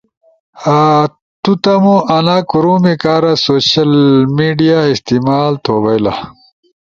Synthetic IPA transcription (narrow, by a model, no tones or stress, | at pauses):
a | t̪ut̪ɐmoʔɐnaːkuɾumikaːɾasoːɕɐlmiːɖijaist̪imaːlt̪ʰoːbɐjla̰